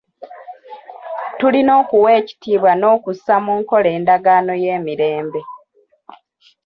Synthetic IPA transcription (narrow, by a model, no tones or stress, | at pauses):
tulino̞ːkuwe̞ːci̥tiːβwano̞ːkusamuːŋko̞le̞ːndaɡaːno̞je̞ːmiɾe̞ːmbe̞